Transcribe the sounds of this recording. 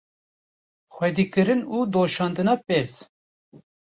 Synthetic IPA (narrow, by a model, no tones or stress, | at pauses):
xʷɛd̪iːkɨɾɨnuːd̪oːʃɑːnd̪ɨnɑːpeːz